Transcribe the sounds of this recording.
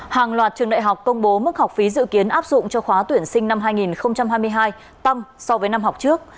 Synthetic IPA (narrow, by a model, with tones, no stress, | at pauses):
haː˨˩ŋlwaː˨˩t̚t͡ɕɨ˨˩əŋɗa̰ː˧˨ɦa˨˩wk͡p̚kə˧wŋ͡mɓo˨˦mə˦˥t̚hwk͡p̚fi˨˦zɨ̰˧˨ki˨˦ənʔaː˦˥p̚zʊ̰˧˨ŋ͡mt͡ɕɔ˧xwaː˨˦t̪wi˧˩ənsï˧ŋ̟na˧mɦaː˧jŋi˨˩nxə˧wŋ͡mt͡ɕa˧mhɦaː˧jm˧əjɦaː˧j | t̪ə˧msɔ˧vəː˨˦jna˧mɦa˨˩k͡p̚t͡ɕɨ˦˥ək̚